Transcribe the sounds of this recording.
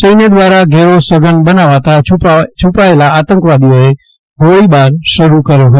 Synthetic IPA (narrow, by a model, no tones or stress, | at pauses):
t͡ʃeːned̪ʋaːɾaɡʱɛːɾoswɐɡənɓɐnaːʋat̪ʰat͡ʃʰʊpaelaaːt̪ə̃ŋkʋaːd̪ioɦe | ɡʱoːɽiɓaːɾʃəɾukɐɾjoɦəo